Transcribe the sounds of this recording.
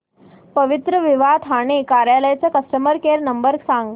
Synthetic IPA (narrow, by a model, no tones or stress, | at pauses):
pəʋit̪ɾəʋiʋat̪ʰaɽ̃ekaɾjaləjat͡səkəsʈəməɾkeɾnəmbəɾsãŋɡ